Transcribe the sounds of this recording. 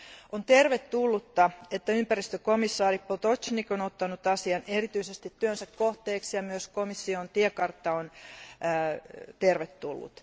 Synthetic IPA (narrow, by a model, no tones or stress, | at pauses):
ont̪erʋet̪ːulːut̪ːɑet̪ːæympærist̪økomisːɑːripot̪ot͡ʃnikonot̪ːɑnut̪ɑsiɑnerit̪yisest̪it̪tyønsækkoht̪eːksjɑmyøskomisːiont̪iekɑrt̪ːɑonː | t̪erʋet̪ːulːṵt̪